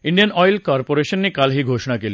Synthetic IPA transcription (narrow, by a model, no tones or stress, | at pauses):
iɳɖijanɔjlkɔɾpoɾeʃonːikalɦiɡʱoʃonakeli